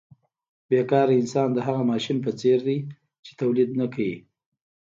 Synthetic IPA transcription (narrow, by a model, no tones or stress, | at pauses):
bjekɑɾaɪnsɑnd̪əɦaɣamɑʃinp̬ət͡seɾd̪i | t͡ʃe̥t̪awlid̪nakawḭ